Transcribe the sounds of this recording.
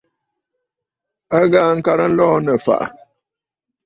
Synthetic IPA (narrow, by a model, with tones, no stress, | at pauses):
a˦ɡaː˦ŋ̩˦ka˦ɾə˦n̩˦lɔː˦nə˨fa̰˨ʔa̰˨